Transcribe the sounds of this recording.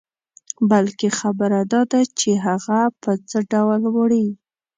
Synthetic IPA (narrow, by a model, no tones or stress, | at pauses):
balkexabəɾad̪ɑd̪at͡ʃeɦaɣapəd͡zəɖawlwəɽi